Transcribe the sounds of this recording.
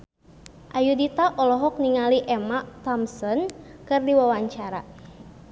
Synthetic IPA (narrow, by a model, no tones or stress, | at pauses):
ʔajudit̪aʔɔlɔɦɔk̚niŋaliʔɛmaʔt̪ɔmsɔnkɨrdiwawaɲt͡ʃaɾa̰